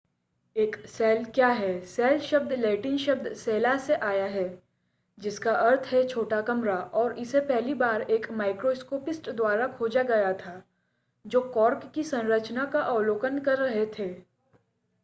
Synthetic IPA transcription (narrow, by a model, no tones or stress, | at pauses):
eːksɛːlkjaːɦɛsɛːlʃɐb̚d̪ʱlɛːʈɪnʃɐb̚d̪ʱseːlaseʔaːjaɦɛ | d͡ʒɪskaʔɐɾt̪ʰɦɛt͡ʃʰoːʈakɐmɾaʔɔːɾɪsepɛɦlibaːɾeːkmaːɪkɾoːskoːpɪsʈd̪waːɾakʰoːd͡ʒaɡɐjat̪ʰaː | d͡ʒoːkɔːɾkːisɐ̃nɾət͡ʃnakaʔaːloːkənkɐɾːɐɦet̪ʰeː